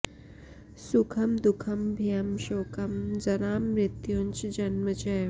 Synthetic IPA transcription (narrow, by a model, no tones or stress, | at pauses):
sʊkʰɐmd̪ʊkʰɐmbʱijɐmʃoːkʰɐmd͡zɐɾaːmɾɪt̪juːnt͡ʃd͡ʒɐnmət͡ʃɛːj